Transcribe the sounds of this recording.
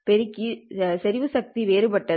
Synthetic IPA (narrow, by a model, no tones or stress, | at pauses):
pɛɾɪkːisɛɾɪʋɯsɐk̚t̪iʋeːɾɯpɐʈːɐ